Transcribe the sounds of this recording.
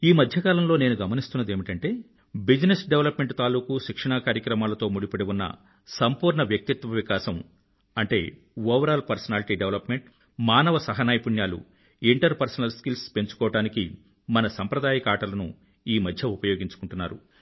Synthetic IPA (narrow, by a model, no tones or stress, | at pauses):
iːmɐd̪ʱjɐkaːlɐmlo̞ːne̞ːnuɡɐmɐnist̪unːɐd̪e̞ːmiʈɐɳʈe̞ː | bid͡ʒinesɖeʋlɐpme̞ɳʈt̪aːluːkuʃikʂɐɳaːkaːɾjɐkɾɐmaːlɐt̪o̞ːmuɽipɐɽeʋunːɐ̰ | sɐmpuːɾɳɐʋjɐk̚t̪it̪ʋɐʋikaːsɐm | ɐɳʈe̞ː | oːʋɐɾaːlpɐɾsɐnaːliʈiːɖeʋlɐpme̞ɳʈ | maːnɐʋɐsɐɦɐnaːjpuɳjaːlṵ | iɳʈɐɾpɐɾsɐnɐlskilspe̞ɲt͡ʃu̥kɔːʋɐʈaːniki | mɐnɐsɐmpɾɐd̪aːjɐkaːʈɐlɐnṵ | iːmɐd̪ʱjɐupɐjo̞ːɡiɲt͡ʃu̥kuɳʈunːa̰ːɾṵ